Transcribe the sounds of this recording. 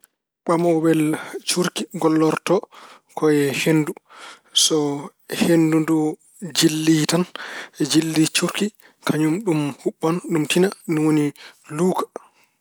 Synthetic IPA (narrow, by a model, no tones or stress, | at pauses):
ɓamɔbɛlt͡ʃuɾkiɡɔlːɔɾtɔ | kʰɔjɛhenːdu | sɔ | hendundu | d͡ʒilːitanɛd͡ʒilːit͡ʃuɾki | kʰaɲumɗumhuɓːanɗumtinaniwoniluːkḁ